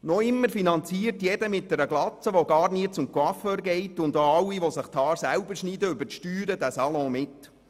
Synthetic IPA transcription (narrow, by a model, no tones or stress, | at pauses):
noɪmːəɾfinɑnt͡siərtjɛdəmɪt̚dɛɾəɡlɑt͡səʋoɡɑːɾniːət͡sʊmkwɑføːɾɡɛɪtʊnd̪aɑwːiʋosɪχt̪ʰɑːɾsæwbəɾʃniːd̪əʏbəɾtʃtyːɾədæsɑlɔ̃ːmɪt